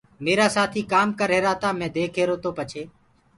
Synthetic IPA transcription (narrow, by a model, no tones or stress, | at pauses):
meːɾaːsaːt̪ʰiːkaːmkəɾɦeːɾaːt̪aːmɛ̃ːd̪eːkʰeːɾoːt̪oːpət͡ʃʰeː